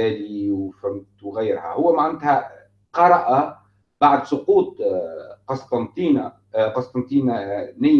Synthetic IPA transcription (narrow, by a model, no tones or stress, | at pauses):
æliwfʊmt̪wɣɪjɾhæ̰hʊwːæmaʕand̪hæ | qɑɾˤɑʔa | b̥aʕd̪sˤʊquːt̪ˤqɑsˤt̪ˤɑnt̪iːna | qɑsˤt̪ˤɑnt̪ˤiːnanɪ